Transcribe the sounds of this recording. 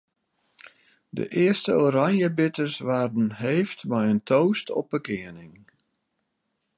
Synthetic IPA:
də̰ʔɪəstəoːɾanjəbɪtərsʋaːrdənɦejftmɛjəntʰowstʰɔ̰p̚bəkɪənɪŋ

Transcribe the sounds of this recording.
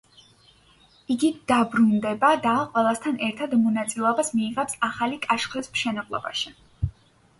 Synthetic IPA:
iɡid̪̥abɾund̪ɛbad̪aqʼwɛlˠast̪ʰanɛɾt̪ʰad̪mɔnat̪sʼilɛɔbasmiːʁɛpsaχalikʼaʃχɛsmʃɛnablˠɔ̰ba̰ʃi

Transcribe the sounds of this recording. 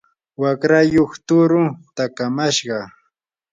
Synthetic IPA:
wakɾajoχt̪ʊɾʊt̪akamaʃɢɑ

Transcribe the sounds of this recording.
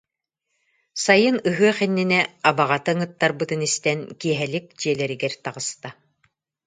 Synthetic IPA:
sajɯnɯɦɯɐχɛnːinɛabaʁat̪ɯŋɯt̪ːaɾbɯt̪ɯnist̪ɛnkiɛɦɛlik̚d͡ʑiɛlɛɾiɡɛɾt̪aʁɯst̪a

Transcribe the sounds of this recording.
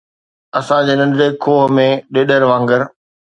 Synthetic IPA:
ɐsãd͡ʑeːnɐ̃nzeːkʰːoːɦmẽɗeːɗəɾʋãːŋɡəɾ

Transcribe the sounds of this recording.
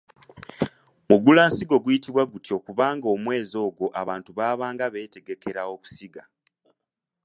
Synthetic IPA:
muɡulaːnsiɡo̞ɡwjitiβwaɡutio̞kuβaːŋɡo̞mwe̞ːzo̞ːɡwo̞ʔa̰βaːntuβaːβaːŋɡaβe̞ːte̞ɡe̞ke̞ɾawo̞ku̥siɡa

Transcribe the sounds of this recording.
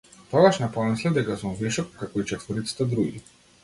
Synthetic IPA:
t̪ɔɡaʃnapɔmɛslˠɛd̪ɛkasumvɛʃɔkːakɔit͡ʃɛt̪vəɾit̪si̥t̪ɛd̪ɾuɡi

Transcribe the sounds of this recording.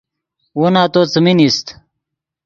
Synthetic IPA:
wonaːt̪oːt͡səminist̪

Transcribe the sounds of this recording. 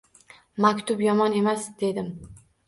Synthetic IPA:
makʲt̪ʰʊpjɒmɒne̞masd̪̥e̞d̪ɪm

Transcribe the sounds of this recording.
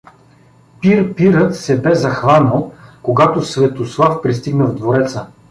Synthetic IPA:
piɾpiɾət̪sɛbɛzɐxvanəlˠkoɡat̪osvɛt̪oslˠafpɾist̪iɡnɐvd̪voɾɛt̪sə

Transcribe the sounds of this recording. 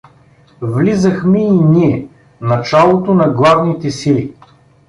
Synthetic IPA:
vlizəxmɛinʲiɛ | nɐt͡ʃalˠot̪onɐɡlˠavnit̪ɛsili

